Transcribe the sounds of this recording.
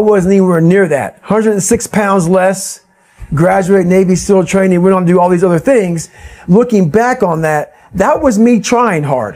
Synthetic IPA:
wʌzniwə˞nɪɹðæ̰t̚hʌ̃ndɹɨdn̩sɪkspʰãʊ̃ndzlɛs | ɡɹæd͡ʒʉeɪtⁿneɪvisɪlˠtʰɹ̥ẽɪ̃nɪ̃ŋwɛ̃nndɨɔlˠðizʌðə˞θɪ̃ŋzlʊkɪ̃ŋbækn̩ðɨt̪̚ | ðət̚wʌzmitʰɹ̥aɪɪ̃ŋɦɑ̰ɹd̥

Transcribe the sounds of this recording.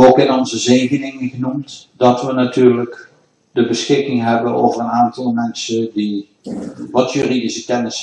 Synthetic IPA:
okɪnɔnzəzeːɣənɪŋənɣənumtdɔtʋənatyːrlək | dəbəsxɪkɪŋɦɛbənoːvərənaːntɑlˠmɛnsədi | ʋɑtjyːridisəkɛnəs

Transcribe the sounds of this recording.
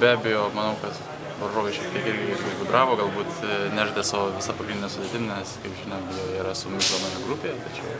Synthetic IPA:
bʲæːbʲɛjoːmɐnɐʊkɐt̪ | ʋɐɾʒoːʋʲɛɪʃʲɛpk̪ʲiɛkɪɾʲɡʲɪɪɾʲɡʲɪɪbʲɪd̪ɾɑːʋoːɡɐlˠbuːt̪nʲæːʒʲd̪ʲeɛsɑːʋoːʋʲɪsɐpɐɡɾʲɪnd̪ʲɪnʲɛsʊd̪ʲet̪ʲɪmnʲɛskɐɪpʒʲɪnoːbʲjoiːɾɐsʊmʲɪɡlˠomɐjɛɡɾʊpʲejɛt̪ɐt͡ʃʲɛʊ

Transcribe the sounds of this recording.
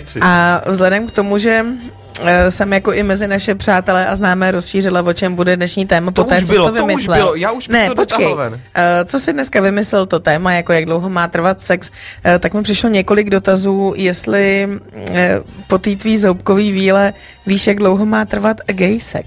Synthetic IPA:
avzlɛdɛmkt̪o̞muʒɛ | sɛmjako̞ʔɪmɛzɪnaʃɛpr̝̥aːt̪ɛlɛʔaznaːmɛːɾo̞sʃiːrɪlavo̞t͡ʃɛmbudɛdnɛʃɲiːt̪ɛːmapot̪ɛːt͡soɪlovɪmɪslɛɪljaːuʃnɛpot͡ʃkɛjnt͡so̞sɪdnɛskavɪmɪslɛlt̪o̞t̪ɛːmajako̞jaɡdlo̞wɦo̞maːt̪r̩vat̪sɛkst̪akmɪpr̥ɪʃlo̞ɲɛko̞lɪɡdo̞t̪azuːjɛst̪lɪ | po̞t̪iːt̪viːzowp̚ko̞viːviːlɛ | viːʃjaɡdlowɦo̞maːt̪r̩vat̪ɡɛjsɛ̰k

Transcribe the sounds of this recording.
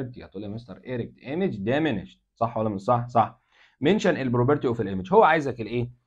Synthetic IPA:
ɾ̚t̪ihæ̰t̪ˤuːlːimest̪ɑɾˤʔeɾek̚t̪ʔemed͡ʒd̪æmeneʃ | sˤɑħːwælːæmensˤɑħsˤɑħ | menʃænelbɾobeɾt̪iʔofilʔemed͡ʒhowːæʕaːjezækelʔeː

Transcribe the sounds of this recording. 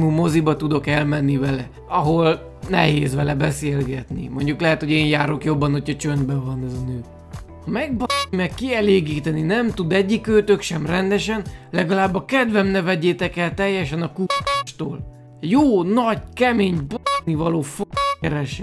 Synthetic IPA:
muːmo̞zibɒt̪ud̪o̞kɛlmɛnːivɛlɛ | ɒɦo̞l | nɛ̰ɦeːzvɛlɛbɛseːlɡɛt̪nḭmo̞ɲɟuklɛɦɛt̪ho̞ɟeːnjaːɾo̞kjo̞bːɒnho̞cʰhɒt͡ʃønd̪bɛvɒnɛznøː | hɒmɛɡ̚bɒimɛkːiɛleːɡiːt̪ɛninɛmt̪ud̪ɛɟːikːøːt̪økʃɛmrɛnd̪ɛʃɛnlɛɡɒlaːbːɒkɛd̪vɛmnɛvɛɟeːt̪ɛkɛlt̪ɛjːɛʃɛnɒkuaːʃt̪o̰ːl | joːnɒɟkɛmeːɲbonivɒloːfoɛɾɛʃɛ

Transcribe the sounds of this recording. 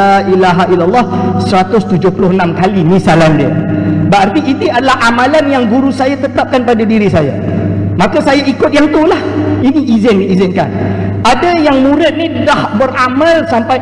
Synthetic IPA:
aʔilaɦailalˠːɑhsəɾat̪ʊst̪ud͡ʒʊhpulʊhənamkalimisalandiəbəart̪iit̪iadalahʔamalanjaŋɡuɾusajat̪ət̪ap̚kanpadadiɾisaja̰ | makasajaʔikʊt̪̚jaŋt̪ulahiniʔizɪndiːzɪnka̰nadajaŋmuɾɪt̪̚nidahbəramalsampa

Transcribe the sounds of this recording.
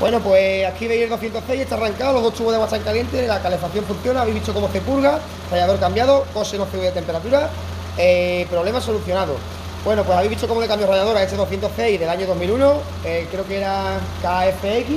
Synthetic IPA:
bwe̞nopweakiβeielðoθjent̪oθeiet̪araŋkaolo̞ɦðot̪uβoðewat̪aŋkalje̞nt̪e̞lakale̞faθjo̞ɱfunθjo̞naβjɦβit̪okomoθe̞puɾɣa | rajaðo̞ɾkambjaðoko̞senoθeɣeðet̪e̞mpeɾat̪uɾa | epɾole̞maso̞luθjo̞naðo̰ | bwe̞nopwe̞saβeiɦβit̪okomolekambjorajaðo̞ɾaet̪eðoθjent̪oθeiðe̞laɲoð̞o̞ɦmiluno | ekɾeokeeɾakaefeeki

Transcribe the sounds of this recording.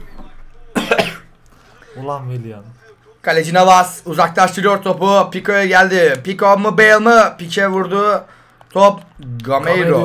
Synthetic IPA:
ulˠanvelijan | kʰalʲed͡ʒinavazuzaklˠaʃt̪ʰɯɾɯjoɾt̪ʰo̞pupikojɛɟælʲd̪ɪpikomɯbejlˠmɯpit͡ʃʰɛvuɾd̪u | t̪ʰopɡamejɾo

